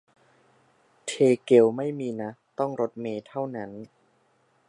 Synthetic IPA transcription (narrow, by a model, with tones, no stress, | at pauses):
t̪ʰeː˧ke˨˩wma˥˩jmiː˧na˦˥t̪ɔ˥˩ŋɾo˦˥t̪̚meː˧t̪ʰa˥˩wna˦˥n